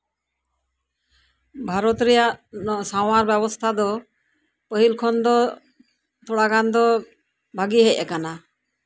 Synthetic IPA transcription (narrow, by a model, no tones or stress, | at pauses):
bʱaɾɔt̪ɾɛjaʔɔsaw̃aɾbɛbɔst̪ʰad̪ɔ | pəɦilkʰɔnd̪ɔ | t̪ʰɔɽakand̪ɔ | bʱaɡiɦɛc̚ʔɛkana